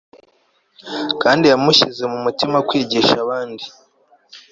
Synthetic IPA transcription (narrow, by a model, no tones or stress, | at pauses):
kaːndijamuʃize̞mumutimakweːɟeʃaβaːndi